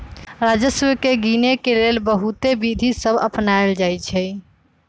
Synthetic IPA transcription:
ɾad͡ʒəswəkeɡinekelelbəɦut̪ebid̪ʱisəbʱə̰pnaeld͡ʒajt͡ʃʰɛ

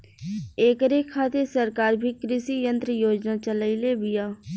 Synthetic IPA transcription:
eːkəɾekʰːaːt̪esəɾkaːɾbʱiːkɾɪʃijə̃nt̪ɾəjoːd͡ʒnat͡ʃəlailebɪjaː

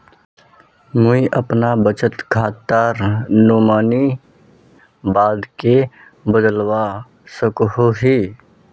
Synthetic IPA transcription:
mʊiʔəpnabət͡ʃət̪kʰaːt̪ːaːɾnoːmaːni | baːd̪ke | bəd̪əlwa | səkɦoɦiː

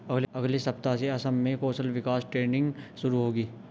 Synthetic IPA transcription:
ɐɡlɐɡlesɐp̚t̪aseɐsəmːẽkoːsəlʋɪkaːsʈɾeːnɪ̃ŋɡʃʊɾuɦoːɡiː

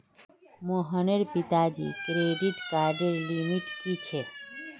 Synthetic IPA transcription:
moɦəneɾpit̪ad͡ʒḭkɾeɖiʈkaɾɖəɾlimiʈkit͡ʃʰe

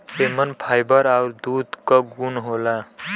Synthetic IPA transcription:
pemənpʰajbəɾaʊɾd̪ud̪kaɡunɦola

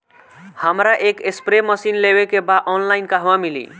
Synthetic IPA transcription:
həmɾaʔekespɾeməsinlewekebaʔɔnlaɪnkaɦwãmilḭ

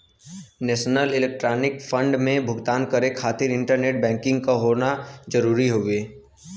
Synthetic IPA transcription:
nɛːʃnəlɪleːk̚ʈɾaːnɪkfʰə̃ɳɖmẽbʱʊɡt̪aːnkəɾekʰaːt̪ɪɾɪ̃ɳʈəɾneːʈ̚bɛ̃ːŋkɪ̃ŋɡkaɦoːnad͡ʒəɾuːɾiɦoːɡeː

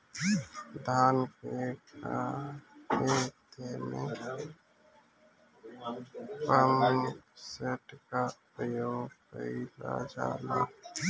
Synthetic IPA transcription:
d̪ʱaːnkeka | pet̪emẽ | pəmnseʈkapəjoːɡpəila̰d͡ʒa̰ːlaː

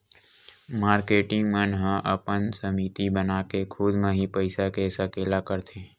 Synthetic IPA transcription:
maːɾkeːʈɪ̃ŋɡmənɦə̃ʔəpənsəmiːt̪ibənakekʰʊd̪mãɦipəɪsakesəkeːlakəɾt̪ʰeː

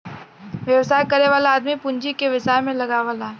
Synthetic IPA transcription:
ʋjɐwsaːjkɐɾeʋaːlaaːd̪mipʊ̃nd͡ʒikeʋɪsaːjmẽlɐɡaʋaːla

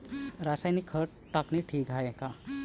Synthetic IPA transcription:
ɾasajnikʰːəʈ | ʈːakniʈʰiːkɦajekã

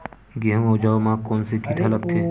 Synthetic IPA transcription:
ɡeɦõod͡ʒaːomãːkɔːnsekʰiːʈʰalɐk̚t̪ʰeː

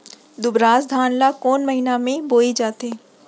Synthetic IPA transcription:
d̪ʊbɾaːsd̪ʱaːnlakoːnmɐɦinamẽboːid͡ʒaːt̪eː

